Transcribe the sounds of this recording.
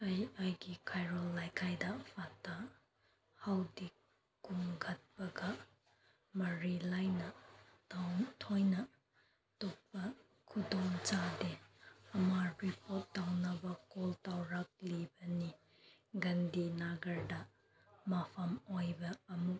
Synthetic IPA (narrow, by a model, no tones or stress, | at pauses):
ɐjajɡikʰajɾɔlːajkʰajdɐpʰatʰa | hawdi | kuŋɡɐt̚bɐɡɐ | mɐɾilajnɐ | tʰojnɐ | tɔk̚pɐ | kʰudɔŋt͡ʃadeɐmaɾipɔtːawnɐbɐkɔltawɾak̚libɐni | ɡɐndinaɡɐɾdɐ | mapʰɐmojbɐːmuk̚